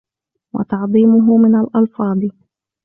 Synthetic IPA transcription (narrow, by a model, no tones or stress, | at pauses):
wɑ̰t̪ɑʕd̪ˤiːmʊɦʊmɪnalʔɑlfɑːd̪ˤ